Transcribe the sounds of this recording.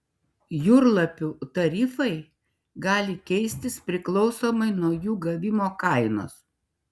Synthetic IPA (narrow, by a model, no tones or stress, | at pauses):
jʊɾlˠɐpʲuːt̪ɐɾʲɪfɐɪ | ɡɑːlʲɪkʲɛɪsʲt̪ʲɪspʲɾʲɪklˠɒʊsoːmɐɪnuɔjuːɡɐʋʲɪmoːkɐˑɪno̰ːs